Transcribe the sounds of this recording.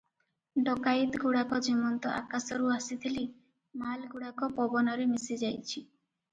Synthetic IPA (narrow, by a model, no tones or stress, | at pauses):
ɖɔkajt̪ɡuɽakɔd͡ʒimɔnt̪ɔʔa̰kasɔɾuasit̪ʰili | malɡuɽakɔpɔbɔnɔɾemisid͡ʒajt͡ʃʰi